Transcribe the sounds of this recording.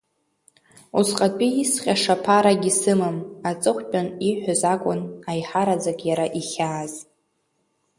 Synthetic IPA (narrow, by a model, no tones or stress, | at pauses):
usqʼatʼiisχʲʼaʂapʰaɾaɡʲisɨmamat͡sʼɨχʷpʼaniħʷᶣazakʷʼʊnajħaɾad͡zakʲʼjaɾaʔiχʲaːz